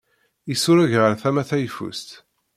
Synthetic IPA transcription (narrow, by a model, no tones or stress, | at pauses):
isuɾæʝʁəɾθæmæθæjfṵst̪